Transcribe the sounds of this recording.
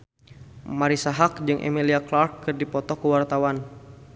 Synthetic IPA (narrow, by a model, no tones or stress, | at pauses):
maɾisaɦak̚d͡ʒɨŋʔḛmiliaklarkːɨrdipɔt̪ɔkuwart̪awan